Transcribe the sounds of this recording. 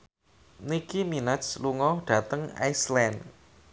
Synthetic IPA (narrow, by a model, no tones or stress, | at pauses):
nikiminasluŋɔhɖ̥ä̤t̪əŋa̰jslɛn